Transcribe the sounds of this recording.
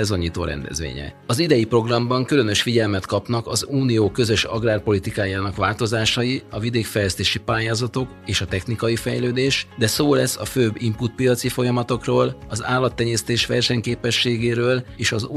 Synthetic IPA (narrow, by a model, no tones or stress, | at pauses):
ɛzoɲiːt̪o̰ːɾɛ̰nd̪ɛ̰zʋḛːɲɛ̰ | ɒzid̪ɛjipro̞ɡrɒmbɒŋkylø̞nø̞ʃfiɟɛlmɛt̪kɒpnɒkɒzuːnijoːkø̞zø̞ʃɒ̰ɡraːrpo̞lit̪ikaːjaːnɒkʋaːlt̪o̞zaːʃɒjiɒvid̪eːkfɛjlɛst̪eːʃipaːjaːzɒt̪o̞k | eːʃɒt̪ɛxnikɒjifɛ̰jløːd̪eːʃd̪ɛsoːlɛsːɒ̰føːbːimput̪̚pijɒt̪sifo̞jɒmɒt̪o̞kroːlɒza̰ːlːɒt̪ːɛɲeːst̪eːʃʋɛrʃɛɲkeːpɛʃːeːɡeːɾøːleːʃɒz